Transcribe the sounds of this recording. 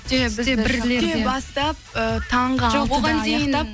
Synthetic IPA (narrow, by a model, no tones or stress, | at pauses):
bɪzeɪleebɑst̪ɑp̚ət̪ʰɑɴʁɑʒoboʁɑnd̪ejɪnɑ